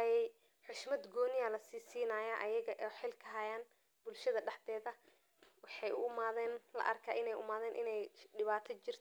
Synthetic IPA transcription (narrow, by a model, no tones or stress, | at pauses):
ɐjɛj | ħʊʃmɐd̪ɡɔːnɪjɐlɐsiːsiːnɐjaʔɐjɐɣɐʔɛːħɪlkʰɐɦɐjaːn | b̥ʊlʃɐðɐɖɐħd̪ɛːðɐ | wɑħɑjʊmaːðɛːnlɐ̰ʔɐrkʰaːʔɪnɛjʔʊ̰maːðɛːnʔɪ̰nɛjɖɪβaːt̪ʰɐt͡ʃɪr̥t̪ʰ